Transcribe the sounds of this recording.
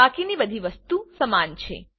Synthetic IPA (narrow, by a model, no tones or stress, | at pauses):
akinibəd̪ʱiʋəst̪usəmant͡ʃʰḛ